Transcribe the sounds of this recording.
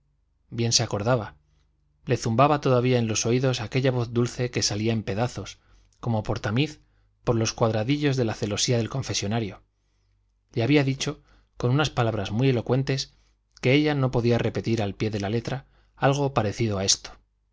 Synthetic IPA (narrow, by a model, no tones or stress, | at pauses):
bje̞nse̞ako̞ɾðaβa | le̞θumbaβat̪o̞ðaβiae̞nlo̞so̞iðo̞sake̞ʎaβo̞θd̪ulθe̞ke̞saliae̞mpe̞ðaθo̞s | ko̞mo̞po̞ɾt̪amiθ | po̞ɾlo̞skwaðɾaðiʎo̞zðe̞laθe̞lo̞siaðe̞lko̞ɱfe̞sjo̞naɾjo̞ | leaβiaðit͡ʃo̞ | ko̞nunaspalaβ̞ɾazmuje̞lo̞kwe̞nt̪e̞s | ke̞eʎano̞po̞ðiare̞pe̞t̪iɾalpje̞ðe̞lale̞t̪ɾa | alɣ̞o̞paɾe̞θiðo̞ae̞st̪o̥